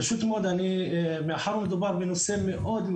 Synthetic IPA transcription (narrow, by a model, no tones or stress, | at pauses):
ʃut̪mod̪ani | meħaɾmed̪ubaɾbenosemːeʔod̪